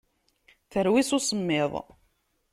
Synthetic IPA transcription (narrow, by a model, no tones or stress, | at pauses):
θəɾwɪsʊsəmːɪðˤ